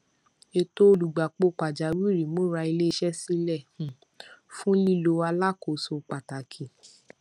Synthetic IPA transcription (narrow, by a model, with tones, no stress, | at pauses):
e˧to˦˧lu˨ɡ͡ba˨k͡po˧k͡pa˨d͡ʒa˨˦wi˦˨ɾi˨mo˦ɾa˧i˧le˦˧ʃɛ˦si˦lɛ˦˨hũ˨ | fũ˦li˦˨lo˧˦a˧la˦˨ko˨so˧k͡pa˨ta˨kʰi˨